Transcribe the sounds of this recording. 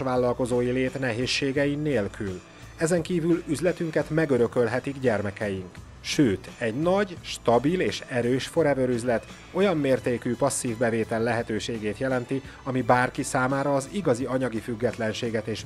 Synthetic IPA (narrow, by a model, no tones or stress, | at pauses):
ʋaːlːɒlko̞zoːjileːt̪nɛɦeːʃːeːɡɛjineːlkʰyl | ɛzɛŋkiːvylyzlɛt̪yŋkɛt̪mɛɡøɾø̞kølɦɛt̪iɡɟɛrmɛkɛjiŋk | ʃøːt̪ɛɟnɒɟʃt̪ɒbileːʃɛɾøːʃfo̞ɾɛvøɾyzlɛt̪ | o̞jɒmːeːrt̪eːkyːpɒsːiːvbɛveːt̪ɛlːɛɦɛt̪øːʃeːɡeːt̪jɛlɛnt̪i | ɒmibaːrkisaːmaːɾɒːziɡɒziɒɲɒɡifyɡːɛt̪lɛnʃeːɡɛt̪eːʃ